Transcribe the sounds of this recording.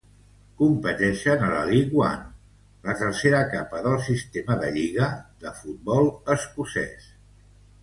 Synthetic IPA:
kumpət̪ɛʃənələliɣwa̰n | lət̪ərseɾəkapəðəlˠsist̪eməðəʎiɣ̞əðəfut̪̚bɔlˠəskusɛ̰s

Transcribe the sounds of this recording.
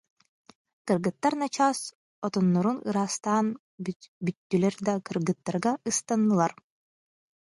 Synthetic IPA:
kɯɾɣɯt̪ːaɾnat͡ɕaːs | ɔt̪ɔnːɔɾunɯɾaːst̪aːn | byt̪ːylɛɾd̪akɯɾɡɯt̪ːaɾɡaɯst̪anːɯlˠaɾ

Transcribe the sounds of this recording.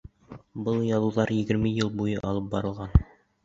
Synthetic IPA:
bɤlˠjɑðˠuðɑɾjɘ̆ɡɘ̆ɾmɘjɤlˠbujɤʔɑlˠɤp̚bɑɾɤ̆lˠʁɑn

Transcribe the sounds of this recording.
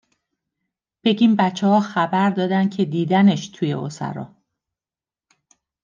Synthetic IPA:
b̥e̞ɟiːmbæt͡ʃʰːehɒːxæbæɾd̪ɒːd̪æn̥̚cʰe̞d̪iːd̪æne̞ʃt̪ʰuːje̞̰o̰sæ̰ɾɒ̰ː

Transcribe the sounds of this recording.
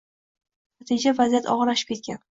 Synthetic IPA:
nat̪ʰid͡ʒavazijat̪ʰɒ̰ʁɑlaʃɪ̥p̚kʲe̞t̪̚kʲan

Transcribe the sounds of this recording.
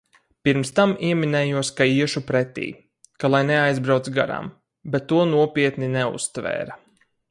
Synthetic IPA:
piɾmst̪amiɛmʲinɛːjuɔskaiɛʃupɾɛt̪ḭː | kalˠajnɛajzbɾawt̪sɡa̰ɾa̰m | bɛt̪ːuɔnuɔpʲiɛt̪ninɛṵst̪vɛ̰ːɾa

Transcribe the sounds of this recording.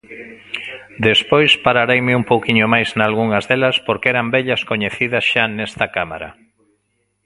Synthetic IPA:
d̪espojspaɾaɾejmɪumpowkiɲomajznalɣ̞uŋɐzðelɐspoɾkɛɾambɛʎɐskoɲeθiðɐsʃanɛst̪ɐkama̰ɾɐ̰

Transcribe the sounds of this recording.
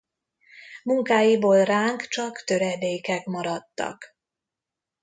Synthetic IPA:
muŋkaːjiboːlraːŋkt͡ʃɒkt̪ø̞ɾɛd̪eːkɛkmɒɾɒt̪ːɒ̰k

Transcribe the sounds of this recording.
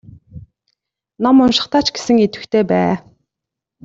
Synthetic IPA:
nɔmʊnʃɪ̥̆χt̪aːt͡ɕɡe̥sɘ̆ŋet̪ɘ̆kt̪ʰeːpæ̰ː

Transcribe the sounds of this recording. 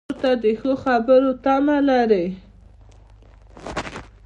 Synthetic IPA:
ɾt̪ad̪əxəxabəɾot̪amalaɾe

